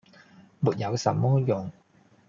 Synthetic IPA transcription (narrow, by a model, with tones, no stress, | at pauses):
muː˨˩t̚jɐ˨˧wsɐ˨mɔː˥jʊ˨˩ŋ